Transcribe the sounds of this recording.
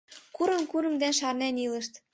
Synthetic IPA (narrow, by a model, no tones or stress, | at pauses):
kuɾɤ̆nkuɾɤ̆md̪ænʃɑrnænilɤ̆ʃt̪